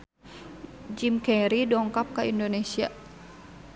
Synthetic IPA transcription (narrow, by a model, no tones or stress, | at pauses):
d͡ʒimkɛɾidɔŋkap̚kaindonesia̰